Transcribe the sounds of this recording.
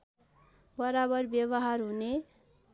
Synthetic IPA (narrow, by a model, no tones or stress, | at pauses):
bʌɾabʌrbjʌbʌɦarɦune